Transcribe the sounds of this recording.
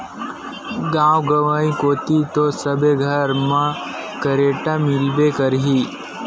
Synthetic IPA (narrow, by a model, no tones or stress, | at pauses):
ɡãwɡəʋaĩkot̪it̪osəbeɡʱəɾmã | kəɾeʈamilbekəɾɦi